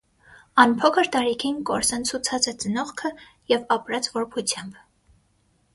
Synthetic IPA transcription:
ɑnpʰɔkʰəɾt̪ɑɾikʰinkɔɾsɑnt͡sʰut͡sʰɑt͡sɛt͡sənɔχkʰə | jɛvɑpɾɑt͡svɔɾpʰut͡sʰjɑmb

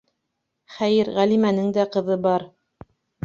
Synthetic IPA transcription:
χæjɘɾʁælimænɘŋd̪æqɤ̆ðɤbɑɾ

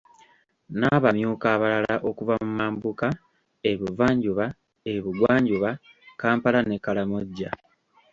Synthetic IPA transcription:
naβamjuːkaːβalalaʔo̞kuvamumaːmbuka | e̞βivaːɲɟuβa | eβiɡwaːɲɟuβa | kaːmpalane̞kalamoɟːa

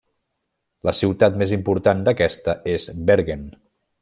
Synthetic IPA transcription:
ləsiwt̪at̪mezimpuɾt̪and̪əkɛst̪əezbeɾɣen

